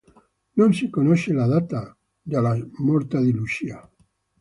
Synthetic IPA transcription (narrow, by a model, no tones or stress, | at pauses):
nonsikonoʃelaðat̪a | d͡ʒalamɔɾt̪ad̪ilut͡ʃia